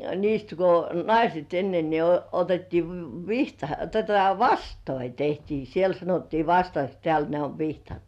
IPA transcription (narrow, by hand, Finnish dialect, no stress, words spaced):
niːst ko nɑiset enːe ni o otetːiː ʋ ʋihtɑ totɑ ʋɑstoi tehtiː siel sɑnotːiː ʋɑstɑks tĕæˑl ne oʋ ʋihtɑt